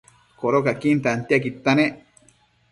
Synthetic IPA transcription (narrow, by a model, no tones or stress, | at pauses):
koɾokakint̪ant̪iakit̪ːane